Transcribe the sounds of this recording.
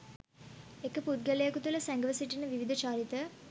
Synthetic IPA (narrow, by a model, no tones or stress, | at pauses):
ekəpud̪̚ɡəlejakut̪uləsæŋɡəʋəsiʈinəʋiʋid̪ʱət͡ʃaːɾit̪ə